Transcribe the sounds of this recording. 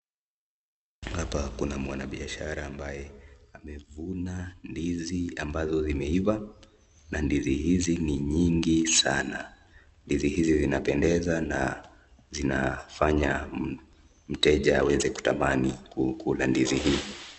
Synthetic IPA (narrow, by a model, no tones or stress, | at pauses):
hapakunamwanaɓiaʃaɾaːmbajɛamɛvunandiziambazɔzimɛiva | nandizihiziniɲiŋɡisana | ndizihizizinapɛndɛzana̰ | zinafaɲa | m̩tɛʄaːwɛzɛku̥tamanikukulandiziɦi